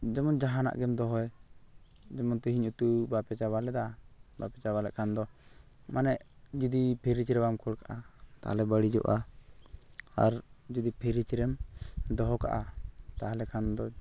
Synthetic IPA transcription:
d͡ʒɛmɔnd͡ʒaɦana̰ʔɡɛmd̪ɔɦɔj | d͡ʒɛmɔnt̪ɔɦiɲut̪ubapɛt͡ʃaβalɛd̪abapɛt͡ʃabalɛ̰ʔkʰand̪ɔmanɛʔd͡ʒud̪ipʰɛɾit͡ʃɾɛbamkʰɔɽkaʔat̪a̰ha̰lɛbəɽid͡ʒɔ̰ʔa | aɾd͡ʒud̪ipʰɛɾit͡ʃɾɛmd̪ɔɦɔka̰ʔat̪aalɛkʰand̪ɔ

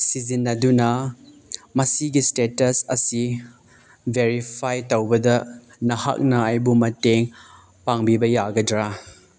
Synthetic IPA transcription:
sizinːɐdunɐ | mɐsiɡistetɐsɐsi | bʱeɾipʰajtowbɐdɐ | nɐha̰k̚nɐajbumɐteŋ | paŋbibɐjaɡɐdɾa

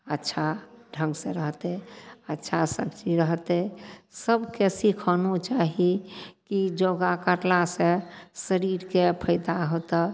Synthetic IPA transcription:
ətːʃʰaɖʱə̃ŋɡsẽɾəɦt̪eətːʃʰasəkt͡ʃiɾəɦt̪ɛsəbkesikʰɔnut͡ʃaɦikid͡ʒoɡakəɾlasẽsəɾiɾkepʰəɪd̪aɦot̪ə

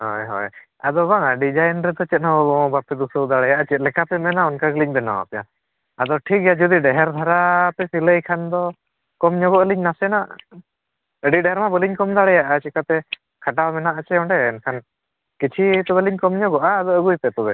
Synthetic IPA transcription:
ɦɔ̰jɦɔ̰j | a̰d̪ɔbaŋaɖid͡ʒajnɾɛd̪ɔt͡ʃɛt̪̚naɔbɔbapɛd̪usəwd̪aɽɛjaʔət͡ʃɛlɛkapɛmɛnaɔnkaɡliɲbɛna̰a̰pɛja̰ | ad̪ɔʈʰik̚ɡɛjad͡ʒud̪iɖɛɦɛɾd̪ʱaɾapɛsiləjkʰand̪ɔ | kɔmɲɔɡɔʔəliɲnasɛnaʔ | əɖiɖɛɦɛɾmabəliɲkɔmd̪aɽɛjaʔat͡ʃɛkap̪ɛ | kʰaʈamɛnaʔat͡ʃɛɔɳɖɛːnkʰan | kit͡ʃʰit̪ɔbəliɲkɔmɲɔɡɔʔaːd̪ɔəɡujp̪ɛt̪ɔbɛ

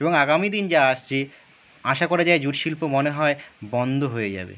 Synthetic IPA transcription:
eboŋaɡamid̪ind͡ʑaaʃt͡ɕʰi | aʃakoɾad͡ʑaed͡ʑuɾʃilpomoneɦɔebɔnd̪ʱoɦoed͡ʑa̰bḛ

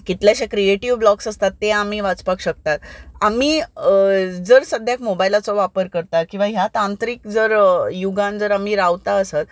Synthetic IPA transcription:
kit̪ljaɕakɾieʈiʋblɔksəst̪at̪ːeam̤iːʋat͡spakɕək̚t̪at̪amiː | d͡zəɾsəd̪ʱjakmobajlat͡sɔʋapəɾkəɾt̪akĩw̃ʋaɦjat̪ãnt̪ɾiːkd͡zəɾjuɡãnd͡zəɾam̤iɾaʋt̪aəsat̪

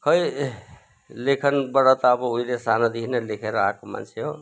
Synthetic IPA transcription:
kʌj | lekʰʌnbʌɽɔt̪aːbʌuilesanad̪inelekʰeɾʌakoma̰nt͡ʃʰeɦo

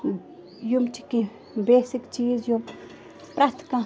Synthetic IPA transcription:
jomt͡ɕʰəkːi | mbesək̚t͡ɕisjom | prat̪ʰə̥kːaŋ

